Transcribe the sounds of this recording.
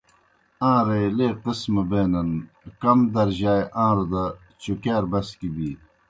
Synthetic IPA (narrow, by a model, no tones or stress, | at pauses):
ãːɾeleːqɪsmɐbeːnɐn | kɐmd̪ɐɾʑaːjʔãːɾud̪ɐ | t͡ɕukeːɾbɐskibiː